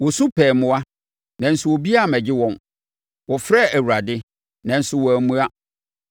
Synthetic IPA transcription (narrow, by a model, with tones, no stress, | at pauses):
wɔ˨sʊ̃˦pʰɛː˨mʊ̃˦a˦ | nã˨n̩˨sʊ˨wo˨bi˦a˦˨mɛ̃˨d͡ʑɪ˦wɔ̃˨n | wɔ˨fɾɛ˦˨ʔæ˨wu˨ɾa˨dɪ˦ | nã˨n̩˨sʊ˦wɔ˨æ˨mũ˦a˦